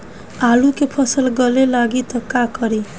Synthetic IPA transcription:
alukepʰʌsəlɡʌlelaɡit̪ʌkakʌɾi

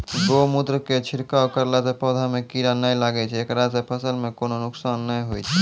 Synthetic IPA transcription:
d̪omud̪ɾəket͡ʃʰiɾkawkəɾlasepɔd̪ʱamekiɾanəjlaɡɛt͡ʃʰɛekɾas̬epʰəsəlmekononuksanːəjɦojt͡ʃʰɛ

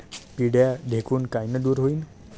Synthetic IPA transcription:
piɽjad̪ʱekʰunkajnəd̪uɾɦoin

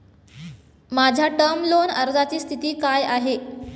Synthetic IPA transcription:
mad͡ʑʱjaʈəɾmlonəɾd͡zat͡ɕiːst̪ʰit̪iːkajaɦe

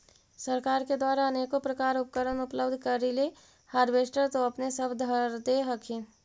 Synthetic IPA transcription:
səɾkaːɾked̪waːɾaəneːkopɾəkaːɾʊp̚kəɾənʊpləbd̪ʱkəɾile | haɾbesʈəɾt̪oəpnesəbʱd̪ʱəɾd̪eɦəkʰẽ

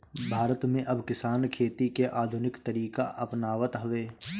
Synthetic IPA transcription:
bʱaːɾət̪mẽʔɐbkɪsaːnkʰeːt̪ikeʔaːd̪ʱʊnɪkt̪əɾiːkaʔɐpnaːʋət̪ɦʊʋeː

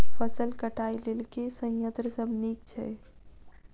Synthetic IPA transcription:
fəsəlkəʈaːilelkesə̃j̃jə̃nt̪ɾəsəbʱniːk̚t͡ʃʰɛ

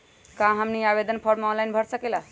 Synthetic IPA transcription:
kãɦəmniabed̪ənpʰɔɾɖmeɔnlajnbʱəɾsəkela

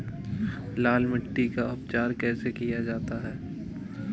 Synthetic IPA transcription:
laːlmɪʈːikaʊp̚t͡ʃaːɾkɛːsekijad͡ʒaːt̪aɦɛː

